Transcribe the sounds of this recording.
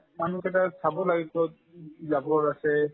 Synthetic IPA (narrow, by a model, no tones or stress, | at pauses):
manukɛt̬asabɔlaɡitɔt̚ | zabɔɹasɛ